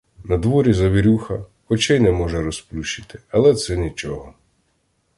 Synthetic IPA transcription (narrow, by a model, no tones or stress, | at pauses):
nɐd̪ʋɔɾʲizɐʋʲiɾʲuxɐ | ɔt͡ʃɛjnɛmɔʒɛɾɔsplʲuʃɪ̥t̪ɪ̥ɐlˠɛt̪sɛnʲit͡ʃɔɦɔ